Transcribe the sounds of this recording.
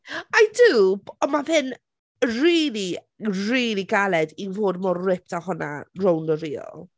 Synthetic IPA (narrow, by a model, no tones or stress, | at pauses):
ajdubɔmaðɪn | riːlˠi | riːlˠiɡalˠɛdinvoːdmɔrrɪp̚tʰahʊna̰rowndəɾiːɔ̰lˠ